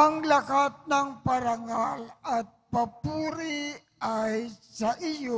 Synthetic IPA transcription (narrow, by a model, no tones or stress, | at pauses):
aŋlakat̪̚naŋpaɾaŋalat̪̚papuɾi | ajsaʔijo